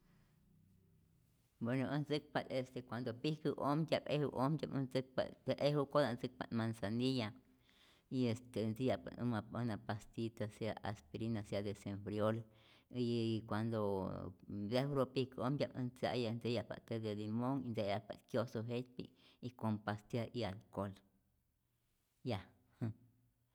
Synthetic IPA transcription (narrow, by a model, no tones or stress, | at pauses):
bwenoənd͡zɨk̚palest̪ekʷand̪opihkɨʔomdʲabḛhṵʔomdʲa̰bənd͡zɨk̚pa̰lt̪eʔehukod̪and͡zɨk̚pa̰t̪mansanija | iest̪end͡zijapa̰ɨ̰mapənapast̪it̪asaʔa̰spiɾinasjad̪esemfɾjol | ikʷand̪o | zehuɾopikomjʲabə̰nt͡sa̰ʔjand͡zejaʔpa̰t̪ed̪elimoŋind͡zejapa̰kjosoɦet̪pḭikompast̪jaʔialkol | ja | h